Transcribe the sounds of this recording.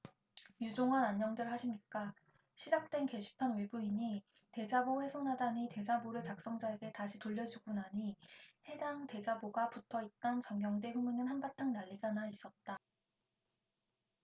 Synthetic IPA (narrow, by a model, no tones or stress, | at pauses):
jud͡ʑoŋɦanaɲːʌŋdɯɭɦaɕʰimɲik͈a | ɕʰid͡ʑak̚t͈we̞nke̞ɕʰi̥pʰanwe̞buiɲi | te̞d͡ʑaboɸwe̞sʰonɦadaɲite̞d͡ʑaboɾɯɭt͡ɕak̚s͈ʌŋd͡ʑaeɡe̞taɕʰitoʎːʌd͡ʑiɡunaɲihe̞daŋte̞d͡ʑaboɡaputʰʌit̚t͈ant͡ɕʌŋɡjʌŋde̞ɸuminɯnhanbatʰaŋnaʎːiɡanais͈ʌt̚t͈a